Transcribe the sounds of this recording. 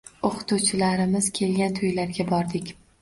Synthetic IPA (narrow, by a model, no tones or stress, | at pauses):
oqɨ̥t̪uwt͡ʃʰɪlaɾɪmɪz̥kʲʰe̞lɡʲant̪ʰojlaɾɡʲabɒɾd̪ɪkʲ